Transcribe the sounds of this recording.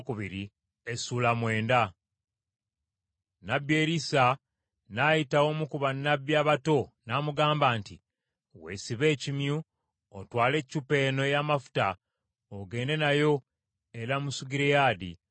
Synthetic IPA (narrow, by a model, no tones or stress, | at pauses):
kuβiɾi | esuːlamwe̞ːnda | nabjeːɾisa | najitawo̞mukuβanːabjaβato̞naːmuɡaːmbaːnti | we̞̰ːsiβe̞ːcimju | otwaːle̞ːcːupe̞ːno̞jamafu̥ta̰ | oɡe̞ːnde̞najo̞ | e̞ɾamusuɡiɾejaːdḭ